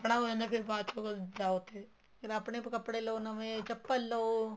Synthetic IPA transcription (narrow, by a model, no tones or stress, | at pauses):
pɽ̃aoenepʰɪɾbaːt͡ʃõkod͡ʒaːot̪e | kɪɾɐpnep̬kɐpɽeloːnɐmet͡ʃɐpːəlːoː